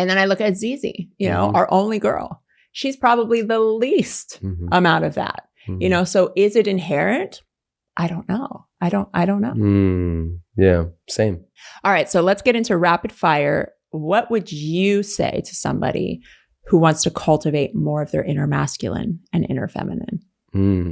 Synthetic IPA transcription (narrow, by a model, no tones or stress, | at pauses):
ɨ̃nðɨ̃ñaɪlʊkɨzizḭjɨno̰ʊə˞ʔõ̰ʊ̃nliɡɜ̰˞lˠ | ʃiz̥pʰɹ̥ɑbəbliðəlistʔəmãʊ̃ɾ̃ʌvðæ̰t̚ | jɨñoʊsoʊʔɪzɨɾɨ̃nɦɛɹɨ̃nt | ʔaɪɾõʊ̃nːoʊ | aɪɾõʊ̃ntaɪɾõʊ̃nːoʊ | jæsẽɪ̃m | ɑlˠɹaɪtsoʊlətsɡ̥ɛɾɪ̃ntʉɹæpɨd̥faɪə̰˞ | wʌʔwɨd͡ʒɨsḛɪɾɨsʌ̰̃mbɑ̰ɾḭ | huwɑ̃ntstʰɨkʰʌlˠtɨveɪt̚mɔɹʌvðə̰˞ʔɪ̃ñə˞mæ̰skjl̩ˠə̰̃nɨ̃nʔɪ̰̃ñə̰˞fɛ̰mɨnɨ̰̃n̩